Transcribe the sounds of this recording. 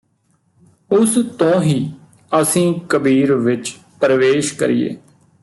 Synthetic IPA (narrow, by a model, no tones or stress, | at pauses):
ʊst̪õːɦiː | əsĩːkəbiːɾʋɪt͡ʃ | pɾəʋeːʃkə̰ɾijḛː